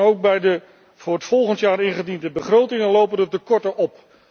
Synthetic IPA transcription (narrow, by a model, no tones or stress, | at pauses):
owk̚bɛjdə | v̥ʊːɹətfɔlˠχəntjaːɾɪnχədindəbəχrowtɪŋənlowpəndətəkɔɹtəʔɔp